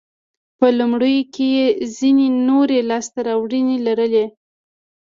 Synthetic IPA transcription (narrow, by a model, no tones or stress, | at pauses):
pəlumɽəjokejezinenoɾelɑst̪aɾɑwɽinelaɾəle